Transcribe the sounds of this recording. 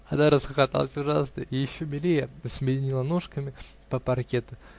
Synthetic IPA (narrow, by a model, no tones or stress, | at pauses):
ɐd̪aɾəsxəxat̪a̰lˠəsʲʊʐa̰snə̰ijɪɕːomʲɪlʲijəsmʲɪdʲɪnʲilˠənuʂkəmʲɪ | pəpɐrkʲet̪ʊ